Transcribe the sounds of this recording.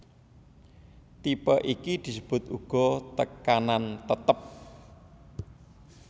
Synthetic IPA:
t̪ipəʔikid̪̥i̤səb̥ʊ̤t̪uɡ̥ɔ̤t̪əkanant̪ət̪əp̚

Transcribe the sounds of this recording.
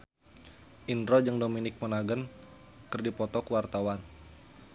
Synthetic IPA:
ʔindɾod͡ʒɨŋdominɪk̚mənaɡən | kɨrdipɔt̪ɔkuwart̪awan

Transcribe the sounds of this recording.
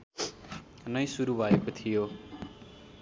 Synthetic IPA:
nʌjsuɾubʱʌekot̪ʰijo

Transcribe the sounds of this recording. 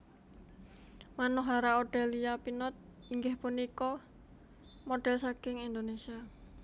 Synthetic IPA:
manɔɦaɾaoɖ̥ɛliapinɔt̪̚ | iŋɡɪhpunikɔ | moɖ̥ɛ̤lsakɪŋind̪onesia

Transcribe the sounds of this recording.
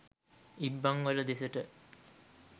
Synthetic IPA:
ibːaŋʋələd̪esəʈə

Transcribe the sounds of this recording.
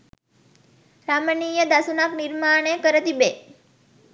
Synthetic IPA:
ɾamənijəd̪asunakniɾmaɳ̃ekəɾət̪ibe

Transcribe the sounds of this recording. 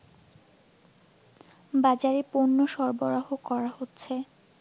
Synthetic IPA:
bad͡ʑaɾeponːoʃɔɾboɾaɦokɔɾahotːɕʰe

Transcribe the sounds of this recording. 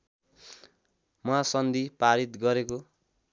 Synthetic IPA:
mʌasʌnd̪ipaɾit̪ɡʌɾeko

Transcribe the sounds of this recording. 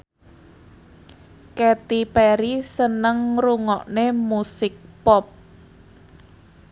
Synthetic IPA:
kɛt̪ipɛɾisənəŋruŋɔʔnemusɪk̚pɔp̚

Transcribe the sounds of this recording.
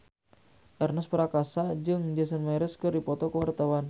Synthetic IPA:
ʔɛrnəspəɾakasad͡ʒɨŋd͡ʒɛsənmaɾəskɨrdipɔt̪ɔkəwart̪awan

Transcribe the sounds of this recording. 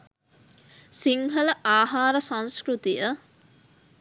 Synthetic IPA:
siŋɦələʔaːɦaːɾəsãñskɾut̪ijə

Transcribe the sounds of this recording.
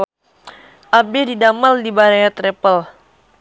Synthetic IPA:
ʔabɪdidamaldibaɾajat̪ɾɛpəl

